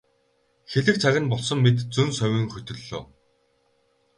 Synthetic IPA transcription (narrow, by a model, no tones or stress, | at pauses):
xeɮɘ̆k̚t͡sʰaɣʲɪ̆npɔɮsɞ̆mːet̪t͡sɵnsœwʲĭŋxɵt̪ʲɵ̆ɮːo̰ː